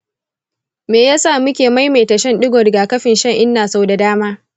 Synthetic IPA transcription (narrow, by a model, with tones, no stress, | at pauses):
meː˨jaː˦saː˦˨mʊ˦kʲeː˨ma˦jma˨jtɐ˨ʃɛ˦nɗɪ˦ɡʷɔ˨rɡaː˨kɐ˦ɸɪ˨nʃɐ˦ŋʔɪ˦nːaː˨sa˦wda˨daː˦maː˦